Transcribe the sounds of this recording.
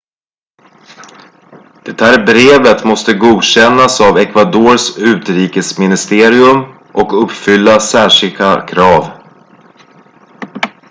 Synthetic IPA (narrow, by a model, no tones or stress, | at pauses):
d̪̥ɛt̪ʰæːɾbɾeːvət̪mɔst̪əɡuːd̪ɕɛnːasavɛkvad̪oːɾsʉ̟ːt̪ɾiːkəsmɪnɪst̪eːɾɪɵm | ʔɔkɵpːfʏlːasæːʂɪlkakʰɾɑːv